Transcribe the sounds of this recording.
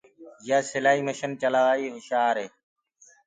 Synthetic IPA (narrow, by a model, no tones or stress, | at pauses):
jaːsɪlaːɦiːməʃənt͡ʃəlaːʋaːiːɦɪʃaːɾɦeː